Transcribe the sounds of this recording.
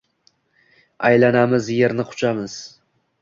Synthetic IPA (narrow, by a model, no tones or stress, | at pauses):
ajlanamɪzje̞ɾnɪqʰʊ̥t͡ʃʰamɪz̥